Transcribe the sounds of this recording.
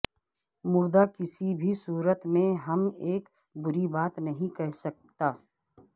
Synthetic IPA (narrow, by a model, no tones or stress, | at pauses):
mʊɾd̪akɪsibʱisuːɾət̪mẽɦɐmeːk | bʊɾibaːt̪nɐɦĩkɛɦsɐk̚t̪aː